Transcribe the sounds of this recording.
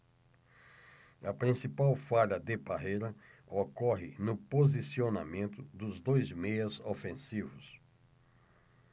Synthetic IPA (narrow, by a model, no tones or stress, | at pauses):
ɐpɾĩsipawfaʎɐd̪ɪpaɦejɾɐokɔɦɪnʊpozisiona̰mẽnt̪ʊd̪ʊzd̪ojzmejɐzofẽsivʊs